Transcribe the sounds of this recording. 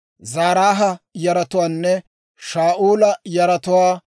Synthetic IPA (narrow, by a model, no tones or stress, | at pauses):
zaːɾaːɦɐjɐɾɐt̪ʊwaːnːɛ | ʃaːʔuːlɐjɐɾɐt̪ʊwaː